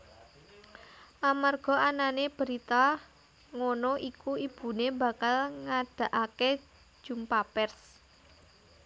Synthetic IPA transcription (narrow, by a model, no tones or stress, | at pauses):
ʔamarɡ̥ɔ̤ananeb̥ə̤ɾit̪a | ŋonɔʔikuib̥ṳneba̤kalŋad̥a̤ʔake̥ | ʒ̥umpapɛrs